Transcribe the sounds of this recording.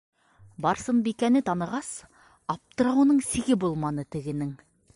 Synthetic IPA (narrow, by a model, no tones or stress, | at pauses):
bɑɾsəmbikʲænɪt̪ʰɑnɤ̆ʁɑs | ɑp̚t̪əɾɑwnəɴsĭɡʲɪbolˠmɑnət̪ɪ̆ɡɪ̆nɪŋ